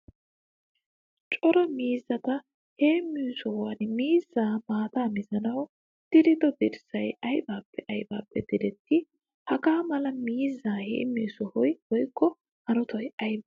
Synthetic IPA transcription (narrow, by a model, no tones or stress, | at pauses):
t͡ʃʼɔɾɐmiːzːɐt̪ɐ | heːmːiːsɔhanmiːzːaːmaːt̪aːmɪzɐnɐw | d̪̥ɪɾɪd̪ɔb̪ɪɾsɐjɐjbaːpʰːɛʔɐjba̰ːpːɛd̪̥ɪd̪ɛt̪ʰːɪ | hɐkaːmɐlɐmiːzːaːhḛːmːiːsɔhɔjwɔjkʰːɔ | hɐɾɔt̪ʰɔjɐjbɐ